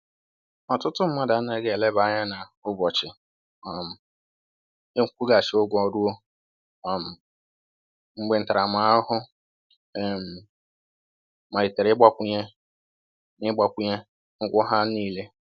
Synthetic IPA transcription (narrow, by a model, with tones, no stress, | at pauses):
ɔ˨tʊ˦tʊ˦m̩˦ma˦da˨˦na˦ɡe˦e˨le˦ba˨˦ɲa˦na˨ʊ˦bɔ˨t͡ʃɪ˨ | a˨m̩˨ | e˦ŋ̩˦kʷu˦ɡa˨ʃɪ˨˦o˦ɡʷɔ˨du˦o˦ | a˨m̩˨ | ŋ͡m̩˦ɡ͡be˦n̩˨ta˨ɾa˨ma˨˦ɦʊ˦˨ | m̩˨ | ma˨i˨te˨ɾɪ˦ɡ͡ba˦kʷu˦ɲe˦ | nɪ˦ɡ͡ba˨kʷu˦ɲe˦ | ŋ̩˦kʷʊ˦ɦa˦niː˦˨le˦